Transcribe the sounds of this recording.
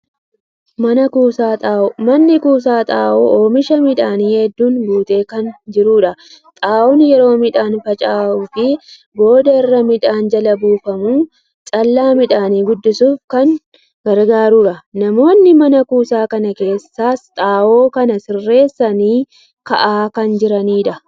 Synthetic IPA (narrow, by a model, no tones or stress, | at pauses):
mɐnɐkuːsmɐnːɪkuːsaːt̪ʼaːʔoːʔoːmɪʃɐmɪᶑaːniːhɛd̪ːuːnbuːt̪ʼe̞ːkɐnd͡ʒɪɾuːᶑɐt̪ʼaːwɔnjɛɾo̞ːmɪᶑaːnfɐt͡ʃʼaːʔufɪ | bo̞ːd̪ɐɪrːɐmɪᶑaːnd͡ʒɐlɐbuːfɐmuː | t͡ʃʼɐlːaːmɪᶑaːniːɡʊd̪ːɪsuːfkɐŋ | ɡ̥ɐɾɡaːɾuːᶑɐnɐmo̞ːnːɪmɐnɐkuːsaːkɐnɐke̞ːsːaːst̪ʼaːʔo̞ːkɐnɐsɪrːe̞ːsːɐniː | kɐʔaːkɐnd͡ʒɪɾɐniːᶑɐ